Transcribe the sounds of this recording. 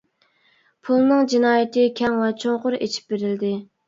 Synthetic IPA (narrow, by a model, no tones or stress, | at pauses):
pʰulˠnɨŋd͡ʒinɑːjɪt̪ɪkʲʰɛŋlɑt͡ʃʰoŋqʊɾet͡ʃʰi̥p̚beɾɪld̪ɪ